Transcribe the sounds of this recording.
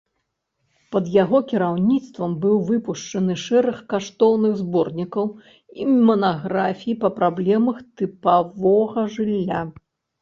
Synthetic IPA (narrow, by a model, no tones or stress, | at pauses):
pɐd̪jaɣɔkʲiɾawnʲit̪st̪vɐmbɨwvɨpuʂt͡ʂɐnɨʂɛɾɨxkaʂt̪ɔwnɨɣzbɔrnʲikɐw | imɐnaɣɾafʲijipɐpɾablʲɛmɐxt̪ɨpavɔɣɐʐɨlʲːa